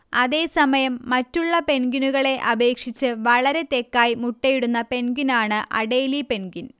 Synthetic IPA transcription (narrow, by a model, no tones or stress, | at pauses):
ɐðe̞ːsɐmɐjɐmːɐtːuɭːɐpe̞nɡinuɣɐɭe̞ʔɐbe̞ːkʂit͡ɕːɨʋɐɭɐɾe̞t̪e̞kːaːjimuʈːɐjiɽunːɐpe̞nɡinaːɳɨʔɐ̰ɽe̞ːlipe̞nɡin